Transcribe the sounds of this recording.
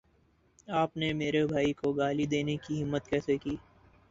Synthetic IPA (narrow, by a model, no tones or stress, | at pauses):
aːpnemeːɾebʱaːikoɡaːlid̪eːnekiɦɪmːət̪kɛːsekiː